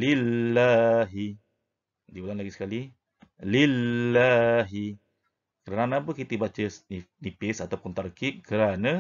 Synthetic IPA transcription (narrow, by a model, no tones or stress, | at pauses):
lilːaɦi | dibulanlaɡisə̥kali | lillːaɦi | kəɾananãːpəkit̪əbat͡ʃəsninipɪsat̪awpunt̪aɾkiʔkəɾana